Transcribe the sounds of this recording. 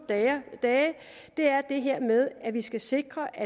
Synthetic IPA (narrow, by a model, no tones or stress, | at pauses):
d̥ɛː | d̥e̝æɐd̥e̝ɦeɐ̰með̞ˠæʋisɡ̥æse̝ɡ̥ʁɐʔæ